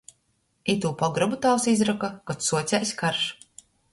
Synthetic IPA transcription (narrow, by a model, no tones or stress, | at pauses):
it̪uːpɔɡɾabut̪aːwsizɾakakat̪suɔt̪sʲɛjsʲkaɾʃ